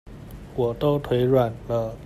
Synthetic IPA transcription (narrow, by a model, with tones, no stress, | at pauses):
wɔ˨˩t̪o˥ʊt̪ʰwe˧˥ɪɻwa˨˩nlə˦